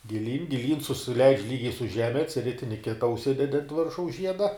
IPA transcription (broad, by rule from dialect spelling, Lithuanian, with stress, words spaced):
ɡʲɪˈlʲiːn ɡʲɪˈlʲiːn sʊsʲɪˈlʲɛɪt͡ʃʲ ˈlʲiːɡʲɛɪ sʊ ˈʒʲæːmʲɛ ɐtʲsʲˈrʲɪtʲɪnʲɪ ˈkʲɪtɐ ʊʃʲˈsʲɪdʲɛdʲɪ ɐnt ˈʋʲɪrʃɐʊs ˈʒʲiɛdɐ